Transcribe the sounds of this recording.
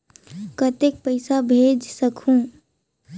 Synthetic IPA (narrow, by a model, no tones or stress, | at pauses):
kət̪ek̚pəɪsabʱeːd͡ʒsəkʰũ